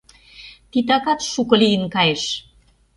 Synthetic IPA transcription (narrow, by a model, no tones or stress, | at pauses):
t̪it̪ɑkɑt̪ʃukɤ̆lijənkɑjeʃ